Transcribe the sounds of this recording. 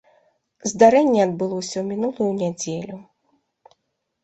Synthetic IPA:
zd̪aɾɛnʲːɛɐd̪̚bɨlˠɔsʲɐwmʲinulˠujunʲad͡zʲelʲu

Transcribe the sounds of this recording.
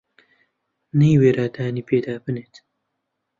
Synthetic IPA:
nejweːɾaːd̪aːniːpeːd̪aːbɨneːt̪

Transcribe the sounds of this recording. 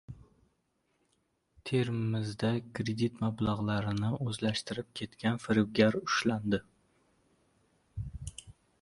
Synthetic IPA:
t̪ʰe̞ɾɪmɪzd̪akʰɾe̞d̪it̪mablˠaʁlˠaɾɪnɪɵzlaʃt̪ɪɾɪp̚kʲʰe̞t̪kʲanfɪɾɪwɡʲaɾʊʃland̪ɪ

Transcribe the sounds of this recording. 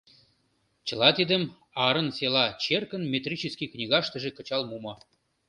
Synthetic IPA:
t͡ɕə̆lɑt̪id̪əm | ɑɾə̆nselɑt͡ɕerkə̆nmʲet̪rʲit͡ɕəskʲiknʲiɣɑʃt̪ə̆ʒĕkə̆t͡ɕɑlmumɤ

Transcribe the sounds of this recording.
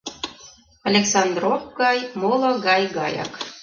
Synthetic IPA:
ɑlʲeksɑnd̪rovɡɑjmolˠɤ̆ɡɑjɡɑ̰jɑ̰k

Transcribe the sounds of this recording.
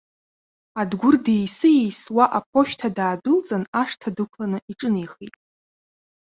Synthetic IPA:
adɡʷʊrdejsɨjejswaʔap̚ʰo̞ʃtʰadaːdʊlt͡sʼanaʂtʰadɨkʷʰlanɨʔiʈ͡ʂʼɨnejχejtʼ

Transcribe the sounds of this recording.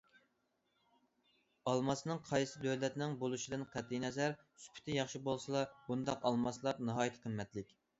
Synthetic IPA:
ɑlˠmɑsnɨŋqʰɑjsɨd̪øwlɛt̪nɪŋbolˠuʃid̪ɨnqʰæd̪inɛzæɾ | sy̥pʰy̥t̪ʰɪjɑχʃibolˠsɨlˠɑbund̪ɑqɑlˠmɑslˠɑɾnɑɦɑːjit̪ʰɨ̥qʰəmmːɛt̪lɪkʲ

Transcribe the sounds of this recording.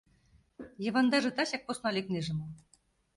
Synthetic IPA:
jɤ̆βɑnd̪ɑʐɤt̪ɑɕɑk̚pusnɑlʲiknʲeʐɘ̆mɤ̆

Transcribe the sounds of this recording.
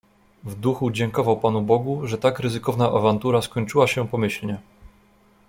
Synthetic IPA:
vd̪uxud͡ʑɛŋkɔvawpanubɔɡuʐɛt̪akɾɘzɘkɔvnaʔavant̪uɾaskɔɲt͡ʂɘwaɕɛpɔmɘɕlɲɛ

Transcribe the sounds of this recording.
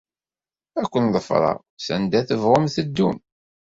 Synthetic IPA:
ækʷːənðˤəfɾˤɑ̰ | sə̰nd̪æθəvʁʊmθəd̪ːum

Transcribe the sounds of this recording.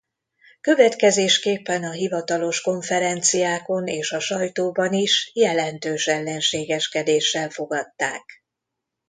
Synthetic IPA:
kø̞vɛt̪kɛzeːʃkeːpːɛnɒɦivɒt̪ɒlo̞ʃko̞ɱfɛɾɛnt̪sijaːko̞neːʃɒʃɒjt̪oːbɒniʃjɛlɛnt̪øːʃɛlːɛnʃeːɡɛʃkɛd̪eːʃːɛlfo̞ɡɒt̪ːa̰ːk

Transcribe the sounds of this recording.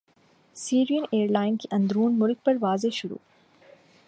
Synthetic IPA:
siːɾijəneːɾlaːɪnkiʔɐ̃nd̪ɾuːnmʊlk̚pɐɾʋaːzeʃʊɽṵː

